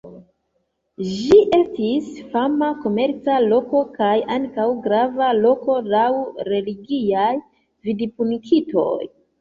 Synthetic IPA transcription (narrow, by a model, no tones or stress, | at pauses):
ʒiʔe̞stisfamako̞me̞ɾt͡salo̞ko̞kajaŋkawɡɾavalo̞ko̞lawɾe̞liɡiaj | vidipunikʰito̞̰j